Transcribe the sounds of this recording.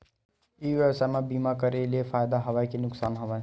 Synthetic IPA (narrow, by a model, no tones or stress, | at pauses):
iʋɛʋsajmãbimakəɾeliefʰaːjd̪aɦɐʋajkenʊksaːnɦəʋaj